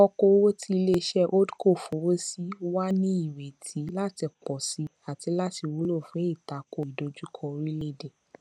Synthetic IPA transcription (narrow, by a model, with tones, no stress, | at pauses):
ɔ˧ko˧˦wo˦ti˧le˧ʃɛ˦ʔo˦dko˦˨fũ˨˦wo˦si˦wa˦nĩ˦i˦˨we˨tʰi˨˦la˦ti˧k͡pɔ˨si˧˦ | a˨ti˨˧˦la˦ti˧˨wo˨˦lo˦˨fũ˨˦e˦˨ta˨ko˨i˨do˨˧d͡ʒu˦kʰɔ˧ɾi˦le˦de˨